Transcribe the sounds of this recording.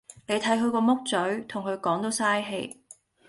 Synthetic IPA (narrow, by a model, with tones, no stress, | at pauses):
ne˨˧jt̪ʰɐ˨˥jkʰɵ˧ɥkɔː˧mʊ˥k̚t͡sɵ˨˥ɥt̪ʰʊ˨˩ŋkʰɵ˨˧ɥkɔː˨˥ŋt̪o˨˥wsaː˥jɦḛ˧j